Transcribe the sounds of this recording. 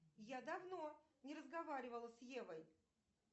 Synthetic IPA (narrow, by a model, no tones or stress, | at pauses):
jad̪ɐvno | nʲɪɾəzɡɐvaɾʲɪvəlˠəsjevəj